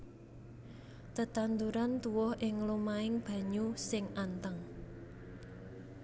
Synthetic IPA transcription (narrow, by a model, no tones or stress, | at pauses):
t̪ət̪and̪uɾant̪uwɔhʔɪŋlumaɪŋb̥ä̤ɲusɪŋʔant̪əŋ